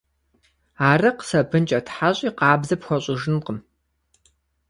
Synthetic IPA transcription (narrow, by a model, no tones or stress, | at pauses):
aːrɨqsɐbʰɨnt͡ʃʼɐtħaɕʼiːqɑːbzɐpxʷɔɕʼɪʒɨnqəm